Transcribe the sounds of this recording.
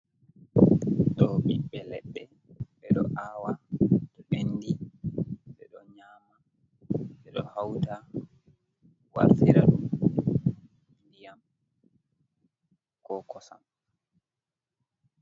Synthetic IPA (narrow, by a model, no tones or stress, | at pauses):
ɗɔɓiɓɛlɛɓːɛ | ɓɛɗɔ̰ʔaːwaɗɔʔenːdi | ɓɛɗɔɲaːma | ɓɛɗɔ̰hawta | wa̰ɾfiɾaɗum | ndijam | kɔkɔsa̰m